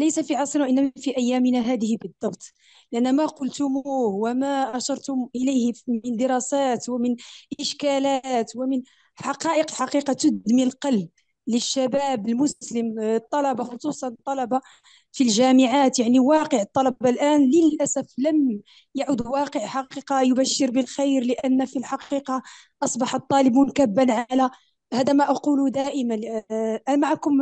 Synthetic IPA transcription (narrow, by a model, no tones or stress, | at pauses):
lejsafiʕɑsˤɾnwʔənːæmafiʔæjːæmənaɦæd̪əhbəd̪ˤːɑbt̪ˤ | lɪʔænːæmaqʊlt̪ʊmuhwamaʔɑʃɑɾˤt̪ʊmʔəlæjhənd̪əɾˤɑsæt̪wamənʔɪʃkælæːt̪wamən | ħɑqɑːʔəqlħɑqiqɑt̪ʊd̪milqɑlb̚ | ləʃːæbæːbəlmʊsləmt̪ˤːɑlɑbɑxosˤusˤɑnt̪ˤːɑlɑbɑ | filʒæməʕaːt̪jaʕniwɑqəʕət̪ˤːɑlɑbɑlʔæːnləlʔæsæfləm | jaʕʊd̪wɑqəʕħɑqiqɑjʊbæʃːəɾbəlxijɾləʔænːfilħɑqiːqɑ | ʔɑsˤbɑħɑt̪ˤːɑlɪbʊnkæbːanʕalæ | hæd̪æmæʔɑqulud̪æʔəmænʔæmaʕakʊm